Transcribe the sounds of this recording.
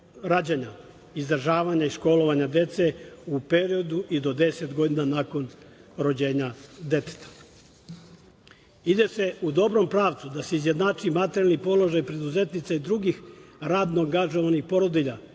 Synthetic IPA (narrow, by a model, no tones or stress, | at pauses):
ɾaːd͡ʑaɲa | izd̪ɾ̩aʒaːʋaɲaiʃko̞lo̞ʋaɲad̪e̞t̪se̞upe̞ɾio̞d̪uʔid̪o̞d̪e̞set̪ɡo̞d̪inanaːko̞nɾo̞d͡ʑe̞ːɲad̪e̞t̪e̥t̪ʰḁ | id̪e̞se̞ud̪o̞bɾo̞mpɾaːʋt̪sud̪aseizje̞d̪nat͡ʃuimat̪eɾjalnipo̞lo̞ʒajpɾe̞d̪uze̞t̪nit̪said̪ɾuɡixɾaːd̪noaŋɡaʒo̞ʋanixpo̞ɾod̪iʎa